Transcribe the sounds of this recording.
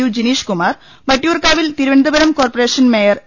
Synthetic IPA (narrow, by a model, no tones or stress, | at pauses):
ud͡ʑiniːʂkumaːr | bɐʈːijuːrkaːʋilt̪iɾuʋɐnd̪ʱɐbɐɾɐmko̞ːrpɐreːʂɐnmeːjɐr